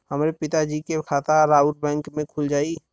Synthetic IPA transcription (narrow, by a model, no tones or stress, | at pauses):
həmɾepɪt̪ad͡ʒikekʰaːt̪aɾaːʊʈ̚bɛ̃ːŋkmẽkʰʊld͡ʒaːi